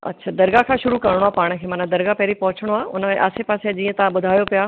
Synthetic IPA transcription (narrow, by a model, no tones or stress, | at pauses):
ɐ̰tːʃʰaːd̪ɐɾɡakʰãːʃʊɾukɐɾɪɽ̃oaːpaːɽ̃ə̆kʰeːmɐnãd̪ɐɾɡapɛɦɾipɐɦʊt͡ɕʰəɽ̃oaːʊnəmẽʔa̰ːsepaːsead͡ʑĩːə̃t̪ɐãɓʊd̪ʱaːjopijaː